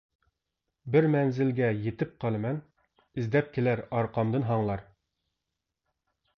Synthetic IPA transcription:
bɪɾmɛnzɪlɡʲɛjet̪ɪp̚qʰɑlˠmɛn | ɪzd̪ɛp̚kʲʰelæɾɑɾqɑmd̪ɨnɦɑɴlˠɑɾ

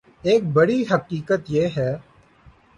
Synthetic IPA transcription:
eːk̚bəɽiːɦəkiːkət̪jeːɦɛː

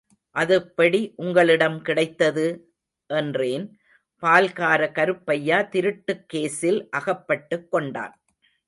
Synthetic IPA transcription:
ʔɐðɯpːɐɽiʔʊŋɡɐɭɪɽɐmkɪɽɐɪt̪ːɐðɯ | ʔɛndreːn | paːlkaːɾɐkɐɾɯpːɐjːaːt̪ɪɾɯʈːɯkːeːsɪlʔɐɣɐpːɐʈːɯkːɔɳɖa̰ːn

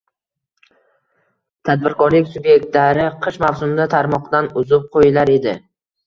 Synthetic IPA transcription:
t̪ʰad̪̚bɪɾkʰɒɾlɪkʲsʊbje̞k̚ʲt̪laɾɪqʰɨʃmawsʊmd̪at̪ʰaɾmɒqd̪anʊzp̚qʰojɪlaɾe̞d̪ɪ

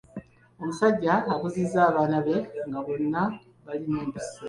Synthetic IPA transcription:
o̞musaɟːaːkuziːzaːβaːnaβe̞ŋɡaβo̞nːa | βalineːmbise

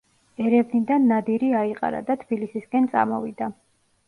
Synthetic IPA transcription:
ɛɾɛvnid̪anːad̪iɾiaiqʼa̰ɾa̰d̪at̪ʰb̥ilisiskʼɛnt̪sʼa̰mɔ̰vid̪a

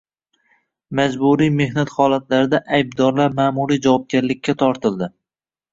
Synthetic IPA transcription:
mad͡ʒbuɾijme̞hnat̪χɒlat̪laɾɪd̪aʔajb̚d̪ɒɾlaɾmaːmuɾijd͡ʒavɒp̚ɡʲaɾlɪkʲʰːat̪ʰɒɾt̪ʰɪld̪ɪ

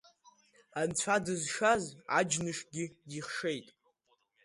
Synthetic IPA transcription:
ant͡ɕʷʰadɨzʂaza̰d͡ʒnɨʂɡʲɪiχʂe̞jtʼ

